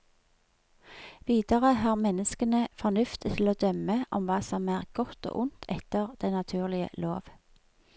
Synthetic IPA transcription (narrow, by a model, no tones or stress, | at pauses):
ʋiːd̪əʁəɦɑːʁmɛnəskənəfɔʁnʉft̪t̪ʰɪloːd̪œməʔɔmʋɑːsɔmæːʁɡ̥ɔt̪o̰ːʔʊnt̪ʰɛt̪əʁd̪̥æɪnɑt̪ʰʉːʁlɪə̰loːʋ